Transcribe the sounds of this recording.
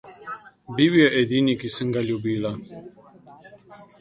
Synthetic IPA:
biβiaʔed̪inʲikisɨŋɡalʲubila

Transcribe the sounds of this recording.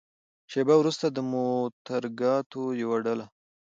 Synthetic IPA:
ʃebawɾust̪ad̪əmot̪aɾɡɑt̪ojawaɖala

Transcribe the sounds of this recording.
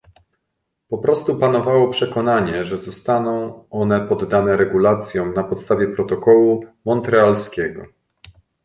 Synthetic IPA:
pɔpɾɔst̪upan̪ɔvawɔpʂɛkɔnaɲɛʐɛzɔst̪anɔ̃w̃ɔn̪ɛpɔd̪ːanɛɾɛɡulat̪sʲjɔ̃w̃napɔt̪st̪avʲjɛpɾɔt̪ɔkɔwumɔnt̪ɾɛalskʲɛɡɔ̰

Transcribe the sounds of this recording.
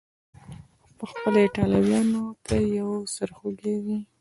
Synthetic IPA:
pəxpəleʈɑlawjɑnot̪ʰajawasəɾxoɡewi

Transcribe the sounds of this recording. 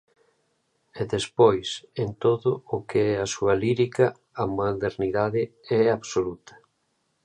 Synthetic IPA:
ɛðespojsent̪oðʊːkeɛasuɐliɾikɐ | amaðeɾniðaðɪɛaβsolut̪ɐ̥

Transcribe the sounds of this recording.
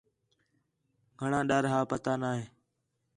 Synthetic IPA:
ɡʱəɳãːɗaːɾɦaːpət̪aːnaːɦeː

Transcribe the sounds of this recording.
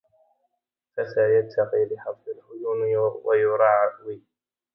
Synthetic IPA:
fasajat̪ʰːɑqiːlɪħɑd̪ˤːɨlhʊjʊːnwajʊɾˤɑːʕwiː

